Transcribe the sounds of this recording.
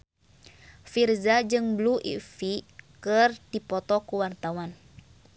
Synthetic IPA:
firzad͡ʒɨŋbluʔḭfikɨrdipɔt̪ɔkuwart̪awan

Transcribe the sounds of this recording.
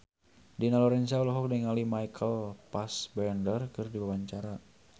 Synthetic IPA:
dinalɔɾɛnsaulɔɦɔk̚dɛŋalimajkʰəlpasbɛɔndərkɨrdiwawaɲt͡ʃaɾa

